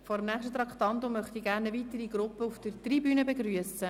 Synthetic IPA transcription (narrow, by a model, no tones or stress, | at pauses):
fɔɾəmnæːχʃtət̪ɾɑkχt̪ɑnt̪omœχt̪iɡæːɾnəvitəɾiɡɾʊpːəufd̥ərtribyːnəbeɡryəsə